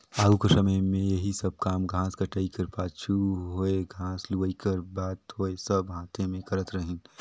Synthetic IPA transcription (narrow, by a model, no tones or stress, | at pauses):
aːukəsɐməjmẽjɐɦisɐb̚kaːmɡʱãːskɐʈəikəɾpaːt͡ʃʰuɦoːeɡʱãːsluʋikəɾbaːt̪ɦoːesɐbɦãːt̪ʰẽmẽkɐɾət̪ɾɐɦɪ̃n